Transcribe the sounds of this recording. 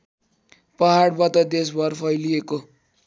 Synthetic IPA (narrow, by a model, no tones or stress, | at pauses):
pʌɦaɽbʌt̪ʌd̪es̬bʌrpʰʌjlieko